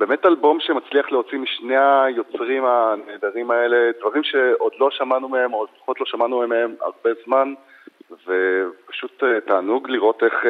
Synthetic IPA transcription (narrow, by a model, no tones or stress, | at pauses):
be̞me̞talbo̞mʃemat͡sliaχleot͡simiʃne̞ajo̞t͡sʁimaneːd̪aʁimae̞le̞dvaʁimʃe̞ʔo̞dlo̞ʃamanumeemood̪fḁχo̞tlo̞ʃamanumemeema̰ʁbe̞zman | vepḁʃutetaːnuɡliʁo̞te̞χ